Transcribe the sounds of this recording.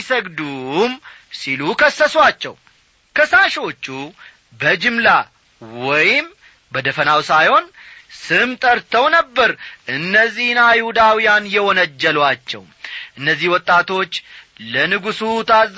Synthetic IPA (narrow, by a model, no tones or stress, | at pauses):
səɡd̪um | silukʰəsːəswat͡ʃːɛ̰w | kʰəsaʃo̞t͡ʃːu | bəd͡ʒɨmla | wɔjɪm | bəd̪əfənawsajho̞nsɨmt̪ʼəɾt̪ʰəwnəbːəɾʔɨnːəzːihnajhud̪awijanjɛwɔnəd͡ʒːɛlwat͡ʃːɛ̰w | ʔɨnːəzːihwɔt̪ʼːat̪ʰo̞t͡ʃːlənɨɡusut̪ʰa